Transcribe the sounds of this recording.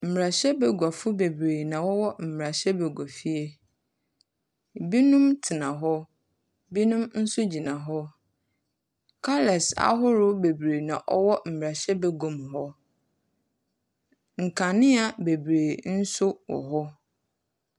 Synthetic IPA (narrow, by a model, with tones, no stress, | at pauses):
m̩˨m˨ɾa˨ɕɛ˦bɛ˨ɡʷa˨fʊ˦be˨bɾeː˨nã˨wɔ˦wɔ˦m̩˨m˨ɾa˨ɕɛ˦be˨ɡɔ˨fi˦e˦ | bi˦nũ˦mtʰɪ˨nã˨ɦɔ˦ | bi˦nũ˦mn̩˦sʊ˦d͡ʑi˨nã˨ɦɔ˦ | kʰa˦lɛ˨sa̰˦ɦʊ˦ɾʊ˦be˨bɾe˨nã˨ʔɔ̰˦wɔ˦m̩˨m˨ɾa˨ɕɛ˦be˨ɡõ˨mɦɔ˦ | ŋ̩˨kʰã˨nɪ̃˦a˨be˨bɾeː˨n̩˦sʊ˦wɔ̰˨ɦɔ˦